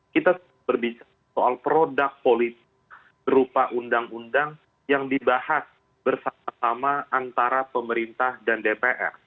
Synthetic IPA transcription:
kit̪asə | bərbit͡ʃa | soalpɾodak̚polit̪ɪk | bəɾupaʔundaŋundaŋ | jaŋdibahas | bərsamasamaʔant̪aɾapəməɾint̪ahdandepeʔɛ̰r

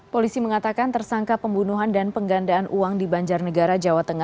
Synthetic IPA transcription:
polisiməŋat̪akant̪ərsaŋkapəmbunuɦandanpəŋɡandaːnʔuaŋdibaɲd͡ʒarnəɡaɾad͡ʒawat̪əŋa

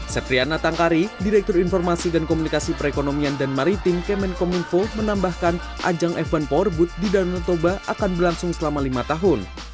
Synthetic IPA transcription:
səp̪ɾianat̪aŋkaɾidiɾɛk̚t̪ʊrinfɔrmasidankomunikasipəɾekonomiandanmaɾit̪ɪmkɛmɛnkɔmunkomənambahkan | ʔa̰d͡ʒaŋʔɛfanpɔrbʊt̪̚didalumt̪obaʔakanbərlaŋsʊŋsəlamalimat̪aɦʊn

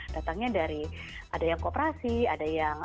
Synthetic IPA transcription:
d̥at̪aŋɲadaɾiʔadajaŋkopɾasiadajaŋ

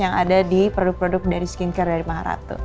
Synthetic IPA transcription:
jaŋa̰dadipɾodʊk̚pɾodʊk̚daɾiskinkardaɾimaɦaɾa̰t̪o̰

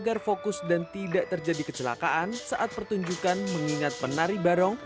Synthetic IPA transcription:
ɡarfokʊsdant̪idaʔt̪ərd͡ʒadikət͡ʃəla̰kaʔansaʔat̪̚pərt̪uɲd͡ʒukanməŋiŋat̪̚pənaɾibaɾɔŋ

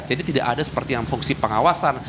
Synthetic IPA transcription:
d͡ʒadit̪ida̰ʔadasə̥pərt̪ijaŋfuŋsipəŋawasan

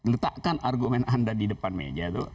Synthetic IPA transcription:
lət̪aʔkanʔarɡumɛnandadidəpanmḛd͡ʒat̪u

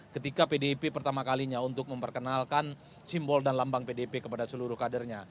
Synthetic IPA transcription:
kət̪ikapedepepərt̪amakaliɲaunt̪ʊk̚məmpərkənalkan | simbɔldanlambaŋpedepekəpadasəluɾʊhkadərɲa

